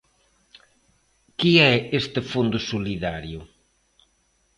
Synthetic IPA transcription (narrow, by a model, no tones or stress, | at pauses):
kiɛest̪ɪfund̪ʊsoliðaɾjʊ